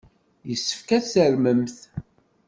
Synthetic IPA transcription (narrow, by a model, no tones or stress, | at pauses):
jəsːə̥fkæθθəɾməmθ